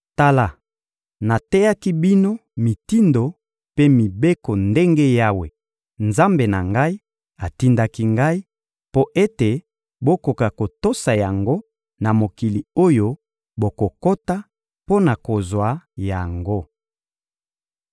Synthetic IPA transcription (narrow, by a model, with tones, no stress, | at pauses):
ta˦la˨ | na˨tɛ˦ja˦ki˦bi˦no˦mi˨ti˦ndo˨ | pe˦mi˨be˦ko˨nde˦ŋɡe˦ja˦we˨ | nza˦mbe˨na˨ŋɡa˦i˦ | a˨ti˦nda˦ki˦ŋɡa˦i˦ | po˦ʔe˦te˨ | bo˦ko˨ka˨ko˨to˦sa˨ja˨ŋɡo˦ | na˨mo˨ki˨li˨o˦jo˦ | bo˨ko˨ko˦ta˦ | po˦na˨ko˨zwa˨ja˨ŋɡo˦